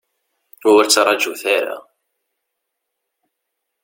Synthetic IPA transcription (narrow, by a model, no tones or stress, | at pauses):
ʊwəɾt͡sːɾˤːɑd͡ʒuθaɾa̰